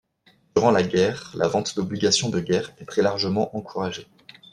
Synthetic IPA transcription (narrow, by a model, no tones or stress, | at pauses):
d̪̥yʁɑ̃laɡʲɛʁla̰vɑ̃t̪d̪ɔbliɡasjɔ̃d̪əɡʲɛʁɛt̪χɛlaʁʒəmɑ̃ʔɑ̃kʰuʁaʒe